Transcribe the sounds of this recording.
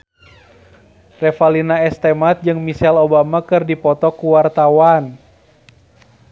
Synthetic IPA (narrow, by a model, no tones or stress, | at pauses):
rɛfalinaɛst̪ɛmat̪̚d͡ʒɨŋmisɛlobamakɨrdipɔt̪ɔkuwart̪awan